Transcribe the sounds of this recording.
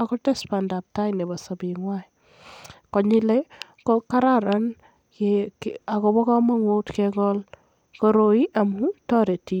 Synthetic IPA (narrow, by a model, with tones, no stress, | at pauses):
akɔte˦spanda˨p̚ta˦ine˨ba˨sa˨bi˨ŋwai˨ | kɔ˨ɲi˦le | koka˦ɾaɾa˦n | kea˨kobɔ˦kɔ˦ma˦ŋo˦tkekɔl | koɾo˨i˦ʔa˨mu˦tɔ˦ɾe˨ti˦